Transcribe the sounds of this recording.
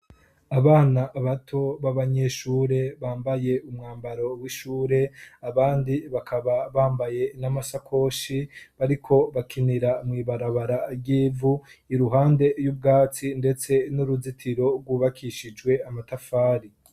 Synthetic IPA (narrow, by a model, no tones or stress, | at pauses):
aβaːnaʔβatʰo̞βaβaɲe̞ʃuːɾe̞βaːmbaje̞umŋaːmbaɾo̞wiʃuːɾe̞aβaːndiβakʰaβaβaːmbaje̞namasakʰo̞ʃiβaɾikʰo̞βakʰiniɾaumŋiːβaɾaβaɾaɾɟiːvuiɾuɦaːnde̞jub̚ɡaːt͡sinde̞t͡se̞nuɾuzitʰiɾo̞ɡwuβakʰiʃid͡ʒɡwe̞amatafaːɾi